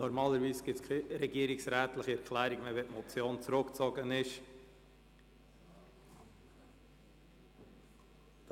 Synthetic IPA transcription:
nɔɾmɑːləɾviːsɡ̥ɪskʰɾɛɡiəɾɪksɾæːt̪lɪχiɛɾkʰlæːɾiɡmɛvɛtmɔt͡sjoːnt͡sɾʊkt͡sɔɡənɪʃ | d̥

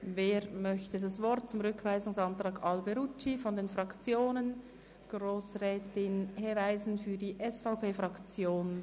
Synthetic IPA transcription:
veːɾmœçtədɑsvɔɾt̚t͡sʊmʁʏkv̥aɪzʊŋsɑnt̪ʁɑːkɑlbɛɾut͡ʃːifɔndeːnfʁɑkt͡sjoːnən | ɡ̥ʁoːsrɛːtɪnhevaɪzn̩fyːɐdiːʔɛsfaʊpeːfʁɑkt͡sjoːn

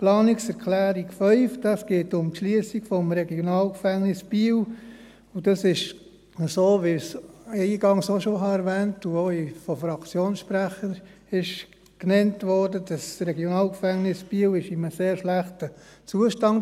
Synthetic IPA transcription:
plɑːnɪksɛɾkʰlæːɾikfœʏfd̥ɑsɡ̥eːtʊmtʃliəsiɡ̥fɔmɾɛɡjonɑːlkfæŋnɪsb̥iːw | udɑsɪʃ | əsoːʋisɛiɡ̥ɑŋsoʃoɦɑɛɾʋɛːntuoifɔfɾɑkt͡sjoːnsʃpɾæχəɾ | ɪʃ | knɛntʋɔɾdədɑsɾɛɡjonɑːlkfæŋnɪsb̥iːwɪʃɪməseːɾʃlæχtət͡suəʃtɑnt

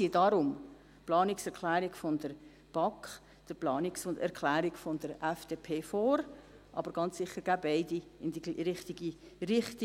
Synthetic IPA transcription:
iədɑɾʊm | plɑːnɪksɛɾkʰlæːɾɪɡfɔnd̥əɾ | b̥ɑk | d̥əplɑːnɪksʊndɛ̰ɾkʰlæːɾɪɡfɔndəɾɛfd̥eːpʰeːfoːɾ | ʔɑ̰b̥əɾɡ̥ɑnt͡ssɪχːəɾɡ̥æːbaɪdiɪndiɾɪχtiɡiɾɪχt̪i

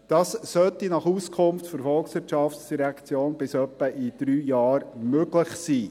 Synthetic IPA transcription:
d̥ɑːssœt̪inɑχuːskʰʊmftfəɾfɔlksʋɪɾtʃɑftsd̥iɾɛkt͡sjoːnb̥ɪsœpːəʔid̥ɾyːjɑːɾmøɡ̥ləχsiː

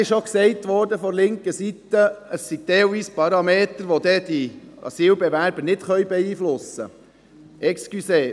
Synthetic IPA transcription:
ɪʃoksɛɪt̪ʋɔːɾdəfɔɾlɪŋkəsit̪əəsːiɡ̥̚t̪eːoiːspɑɾɑmeːt̪əɾʋod̪ɛd̥̪iɑ̰siːlbɛʋæɾbəɾnɪt̪χœjbɛiːflʊsə̰ | ʔɛkskyseː

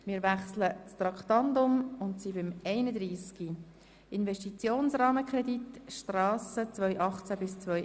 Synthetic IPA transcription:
mɪːʋæχslət͡st̪ɾɑkχt̪ɑnd̪ʊmʊntsibɪmɛɪnəd̪ɾiːski | ɪnvɛʃtit͡sjoːnsrɑːməkχrɛdit̪ʃtrɑːsət͡svœʏʔɑχt͡sæbɪst͡svœj

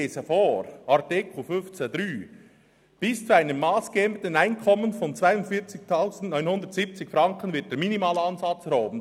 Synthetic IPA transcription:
eːsəfoːɾʔɑɾtɪkl̩fʏnft͡sedɾyː | b̥ɪst͡suaɪnəmːaːsɡ̥əɛmt̪ənaɪnkʰɔmːənfɔnt͡sv̥aɪʊntfɪɐt͡sɪçtʰaʊzn̩tnɔʏnhʊndətz̥iːp̚t͡sɪçfɾɑŋkən̩vɪɐt̚d̥eːɾminimaːlɑnzɑt͡sɾɔʊbən̩

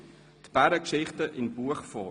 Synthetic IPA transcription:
tb̥æɾəkʃɪχtəʔɪnbuəχfɔ

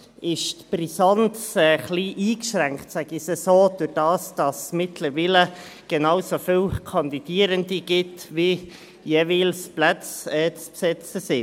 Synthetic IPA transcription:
ʔɪʃtb̥risɑntsɛχliːʔiːkʃɾæŋktsæɡ̥isɛsoːd̥ʊɾd̥ɑːsd̥ɑsmɪtʰləɾʋiːləɡ̥ɛnɑːwsofɪlkʰɑnd̪id̥iəɾəndiɡ̥ɪtʋi | jeʋiːlsplæt͡sɛːt͡spsɛt͡səsɪ

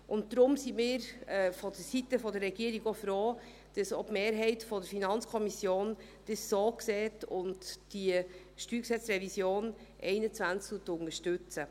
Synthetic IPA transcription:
ʔʊntd̪ɾʊmsimɪːɾɛːfɔd̥əsitəfɔdərːɛɡ̥iəɾiɡofɾoː | d̥əsɔbmeːɾɦɛɪtfɔdəɾfinɑnt͡skʰɔmisjoːn | d̥əsːoːkseːtʊntd̥i | ʃtyːksɛt͡srɛvisjoːn | ʔɛɪnət͡sʋænt͡sktuətːʊnəʃtʉt͡sə

